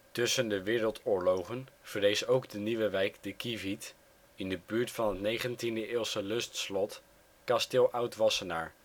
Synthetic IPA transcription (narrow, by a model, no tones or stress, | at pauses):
tɵsəndəʋɪːɾəlˠtʊːɹlowχənv̥ərejsowɡdəniʋəʋɛjkd̥əkivit | ɪndəbyːɹtfɑnɦətnejχəntindəɪːlˠsəlɵstslɔt | kɑstɪlˠʔʌwtʋɑsəna̰ːɹ